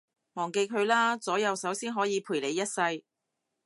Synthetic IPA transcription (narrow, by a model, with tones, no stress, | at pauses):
mɔː˨˩ŋke˧jkʰɵ˨˧ɥlaː˥t͡sɔː˨˥jɐ˨˧wsɐ˨˥wsiː˥nɦɔː˨˥jiː˨˧pʰuː˨˩jle˨˧jːɐ˥t̚sɐ˧j